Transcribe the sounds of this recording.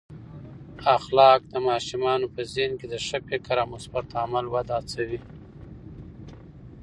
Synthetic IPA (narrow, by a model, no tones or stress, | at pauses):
axlɑk̚d̪əmɑːʃɪmɑnopəzenked̪əʃapekaɾɑmʊsbat̪amalwad̪ɑt͡sawi